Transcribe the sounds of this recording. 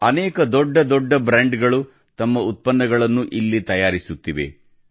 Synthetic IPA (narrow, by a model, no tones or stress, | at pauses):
ɐnɛːkɐd̪ɔɖːɐd̪ɔɖːɐbɾaːɳɖɡɐɭu | t̪ɐmːɐut̪̚pɐnːɐɡɐɭɐnːuʔilːit̪ɐjaːɾisut̪ːiʋe̞̰